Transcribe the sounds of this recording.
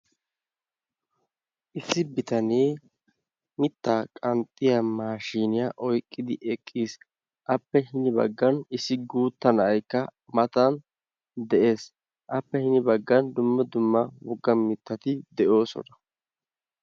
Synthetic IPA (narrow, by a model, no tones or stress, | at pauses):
ʔɪsːɪbɪt̪ɐneː | mɪt̪ːaːkʼɐnt̪ʼːɪjɐmaːʃiːnɪjɐʔɔjkʼːɪd̪ɪʔɛkʼːiːs | ʔɐpːɛɦɪnɪbɐ̰ɡːɐnɪsːɪɡuːt̪ːɐnɐɐjkːɐ | mɐt̪ɐn | d̪ɛʔe̞ːs | ʔɐpːɛhɪnɪbɐɡːɐnd̪ʊmːɐd̪ʊmːɐwɔɡːɐmɪt̪ːɐt̪ɪd̪ɛʔo̞ːsɔ̰nɐ̥